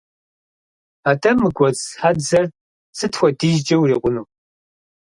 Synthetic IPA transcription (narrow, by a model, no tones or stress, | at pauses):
aːtʰɐmɨɡʷɔt͡sħadzɐr | t͡sʰɨtʰxʷɔdiːʒd͡ʒʼɐwriːqʷʊnuː